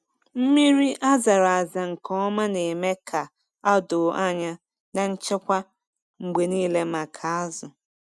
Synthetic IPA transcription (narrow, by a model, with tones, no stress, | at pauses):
m̩˦mi˦ɾi˦ʔa˦za˨ɾa˨a˨za˨ŋ̩˨kʰɔ˦ma˦ne˨me˦kʰa˨ | a˦do˨ʔa˦ɲa˦ | na˨n̩˦t͡ʃɪ˦kʷa˦ | ŋ͡m̩˨ɡ͡be˨niː˦le˦ma˨kʰa˨a˦zʊ˨